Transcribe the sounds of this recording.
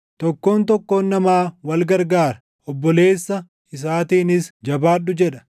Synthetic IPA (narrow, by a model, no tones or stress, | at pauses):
t̪ɔkːo̞ːnt̪ɔkːo̞ːnːɐmaːwɐlɡɐɾɡaːɾɐ̥ | ɔbːɔle̞ːsːɐ | ɪs̬aːt̪iːnɪsd͡ʒɐbaːᶑːʊd͡ʒɛᶑɐ̥